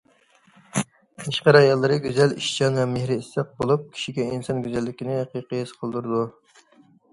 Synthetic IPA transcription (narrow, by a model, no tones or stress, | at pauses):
eʃqəɾɑjɑlˠːɨɾɨɡʲyzɛliʃt͡ʃɑnvɛmehɾɪːsːɛq̚bolˠup̚kʲʰi̥ʃiɡʲɛinsɑnɡʲyzælːɪkʲinɪqijqəjɨz̥qʰəlˠd̪uɾɨd̪u